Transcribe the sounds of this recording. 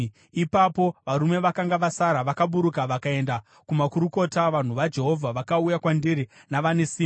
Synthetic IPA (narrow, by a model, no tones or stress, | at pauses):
ipapo̞ʋaɾume̞ʋakaŋɡaʋasaɾaʋakaɓuɾukaʋakae̞nda | kumakuɾuko̞taʋan̤uʋad͡ʒe̞ɦo̞vʱaʋakaujakwandiɾinaʋane̞siː